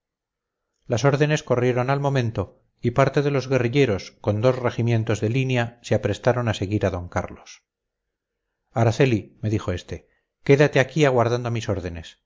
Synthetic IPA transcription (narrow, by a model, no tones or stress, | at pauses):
laso̞ɾðe̞nesko̞rje̞ɾo̞nalmõ̞mẽ̞nt̪o̞ | ipaɾt̪e̞ðe̞lo̞zɣe̞riʎe̞ɾo̞sko̞nd̪o̞sre̞ximje̞nt̪o̞zðe̞linjaseapɾe̞st̪aɾo̞nase̞ɣiɾaðo̞ŋka̰ɾlos | aɾaθe̞lime̞ðixo̞e̞st̪e̞ | ke̞ðat̪eakiaɣ̞waɾðand̪omiso̞ɾðe̞ne̞s